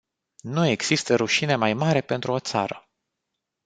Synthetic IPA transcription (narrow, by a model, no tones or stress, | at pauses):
nue̞ɡz̥ist̪əɾuʃine̞majmaɾe̞pe̞nt̪ɾuo̞t̪sa̰ɾə